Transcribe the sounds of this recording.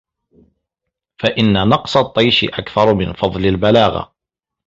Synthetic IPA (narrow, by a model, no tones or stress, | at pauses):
faʔɪnːanɑqsˤɑt̪ˤːɑjʃɪ̰ʔakθɑɾˤmɪnfɑðˤlalbalaːɣa̰